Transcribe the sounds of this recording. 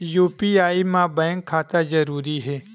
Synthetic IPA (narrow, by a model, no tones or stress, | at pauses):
juːpiaːimãbɛ̃ːŋkʰːaːt̪ad͡ʒɐɾuːɾiɦɛː